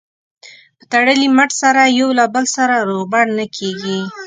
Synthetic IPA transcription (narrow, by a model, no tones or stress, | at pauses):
pə̥t̪aɽəlimaʈsaɾajawlabəlsaɾaɾobaɽnakʰeɡi